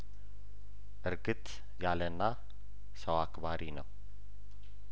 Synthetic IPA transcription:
ʔɨɾɡɨt̪ | jalənːa | səwakbaɾʔinəw

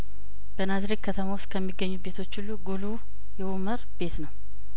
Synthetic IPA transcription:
b̥ənazɾekkʰːət̪ʰəmawʊst̪kʰəmːiɡːəɲːube̞t̪ʰo̞t͡ʃːɪlːuɡulu | jɛuməɾb̥e̞t̪nəw

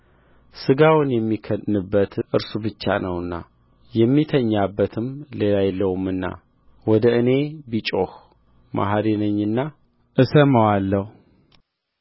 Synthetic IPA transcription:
sɨɡawʊnjɛmːikʰənːɨbːət̪ʔɨɾsubɨt͡ʃːa̰nəwɨnːa̰ | jɛmːit̪ʰəɲːabːət̪ʰɨmlelajɛlːəwumːɨnːa̰ | wɔd̪əɨne̞bit͡ʃʼoh | mʔa̰ɦaɾinəɲːɨnːa | ʔɨsəməwalːəhu

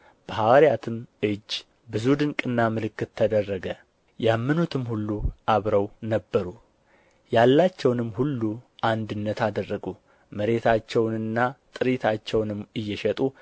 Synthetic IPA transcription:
b̥əhawaɾijat̪ʰɨmɨd͡ʒː | bɨzud̪ɨŋkʼɨnːamɨlɨkːɨt̪ʰːəd̪ərːəɡə | jamːɨnut̪ʰɨmhulːuʔaβɾəwnəbːəɾu | jalːat͡ʃːɛwnɨmːhulːuʔand̪ɨnːət̪ʰad̪ərːəɡu | məɾe̞t̪ʰat͡ʃːɛwnɨnːat̪ʼɨɾit̪ʰat͡ʃːɛwnɨmːɨjːɛʃɛt̪ʼu

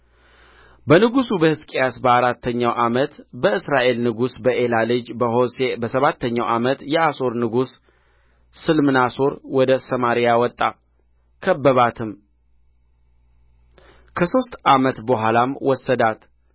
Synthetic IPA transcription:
bənɨɡusubəhɨskʼejasbəaɾat̪ʰːəɲːawʔamət̪bəɨsɾaʔe̞lnɨɡusbəʔe̞lalɨd͡ʒbəɦo̞sebəsəβat̪ːəɲːawʔamət̪jɛʔaso̞ɾnɨɡusː | ɨlmɨnaso̞ɾwɔd̪əsəmaɾijawɔt̪ʼːa | kʰəbːəβat̪ʰɨm | kʰəso̞st̪ʼʔamət̪bəɦʷalamwɔsəd̪at̪

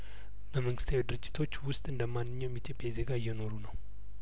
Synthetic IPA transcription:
ləməŋɡɨst̪ʰawed̪ɨɾɨd͡ʒːɪ̥t̪ʰo̞t͡ʃːwʊst̪ʼɨnd̪əmanːɨɲːawjmit̪ʰjo̞pʼjajze̞ɡajːɛno̞ɾunəw

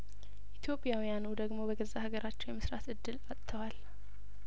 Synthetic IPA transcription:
ʔit̪ʰjo̞pʼjawijanud̪əɡmo̞bəɡəzːahaɡəɾʔat͡ʃːɛwjɛməsɾat̪ɨd̪ːɨlat̪ʼt̪ʰːəwal

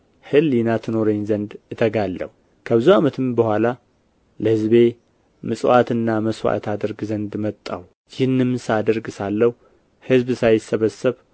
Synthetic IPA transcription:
hɨljɪnat̪ʰɨno̞ɾeɲzənd̪ɨt̪ʰəɡalːə̰hu | kʰəbɨzuamət̪ʰɨmbəhʷala | ləhɨzβe̞ | mɨsʼwat̪ɨnːaməswa̰t̪ʰad̪əɾɡzənd̪mət̪ʼːa̰w | jɪhnːɨmsad̪əɾɡɨsalːəhu | hɨzbsajɪsːəβəsːɨβ

